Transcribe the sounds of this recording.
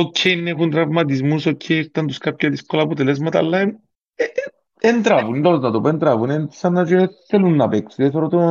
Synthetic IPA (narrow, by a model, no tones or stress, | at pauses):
okʰːenːekunt̪ɾavmat̪̬izmusokʰːeɾt̪ant̪uskapːjat̪iskolaput̪ɛlɛs̬mat̪a̰lːa | ent̪ɾavunilɔznat̪opɔent̪ɾaːvunɛnsanːat͡ʃit̪ːelunːapɛksiesɔɾɔt̪o